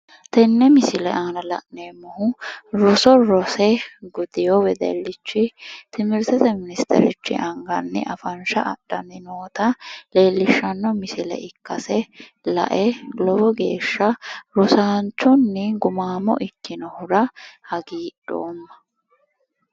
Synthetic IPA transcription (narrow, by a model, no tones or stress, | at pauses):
t̪ɛnːɛmɪsɪlɛ̰ʔaːnɐlɐ̰ʔneːmːʊhʊɾɔsɔɾɔsɛɡʊd̪ɪjowɛd̪ɛ̰lːɪt͡ʃːɪt̪ɪmɪɾt̪ɛt̪ɛmɪnɪst̪ʰɛ̰ɾɪ̰t͡ʃːɪ̰ʔɐŋɡɐnːɪ̰ʔɐfɐnʃɐʔɐ̰ɗːɐnːɪno̞ːt̪ɐle̞ːlːɪʃːɐnːɔmɪsɪlɛ̰ɪkːɐsɛ | lɐ̰ʔɛlɔbɔɡe̞ːʃːɐɾɔsaːnt͡ʃːɔnːɪɡʊmaːmɔ̰ʔɪkːɪnɔhʊɾɐhɐɡiːᶑo̰ːmːɐ̥